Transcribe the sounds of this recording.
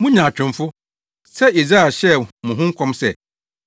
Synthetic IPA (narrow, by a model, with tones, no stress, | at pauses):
mʊ̃˦ɲã˨t͡ɕᶣɪ̃˨mfʊ˦ | sɛ˦i˨zɾa˦ɛ˨ɕɛ˦mʊ̃˨ɦʊ̃˦ŋ̩˦kʷʰɔ̃˦msɛ˨